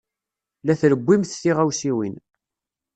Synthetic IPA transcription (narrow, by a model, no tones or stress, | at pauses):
læθləbːimθθiʁæwsiwḭn